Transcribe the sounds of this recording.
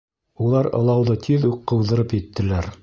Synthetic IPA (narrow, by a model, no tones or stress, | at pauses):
ulˠɑɾɤ̰̆lˠɑwðɤt̪ʰiðuqːɤ̆wðɤ̆ɾɤpjɘ̆t̪ːɘ̆læɾ